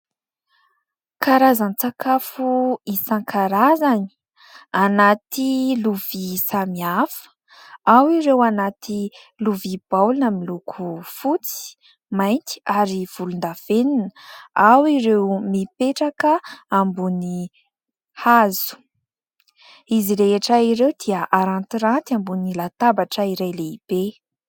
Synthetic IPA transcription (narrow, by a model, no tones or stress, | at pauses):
kʰaɾazanit͡sakafuisaŋkʰaɾazani̥ | anat̪iluv̥isamiafə̥ | awiɾewanat̪i | luvib̥awlunamilukʰufut͡si̥ | majnt̪i̥aɾiv̥ulund̪av̥eninəawiɾewmipeʈ͡ʂakəambuni | hazu̥ | iziɾeɦeʈ͡ʂaiɾewd̪̥iaʔaɾant̪iɾant̪ambunilat̪abaʈ͡ʂəiɾajleib̥e